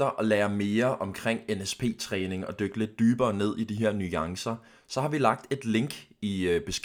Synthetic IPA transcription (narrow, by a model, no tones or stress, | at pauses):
d̥ɐʔɒ̽lɛːɐme̝ːɐʔɒ̽mkʰʁeŋ̰enespʰe̝̰ːt͡sʰʁɛːne̝ŋɒ̽d̥øɡ̥əle̝d̥̚ːyːb̥ɐːne̝ð̞̰ˠid̥iɦeɐ̰nyɑ̈ŋsɐ | sɒ̽hɑ̈ʋilɑ̈ɡ̥̚d̥e̝d̥le̝ŋɡ̥ib̥e̝sɡ̥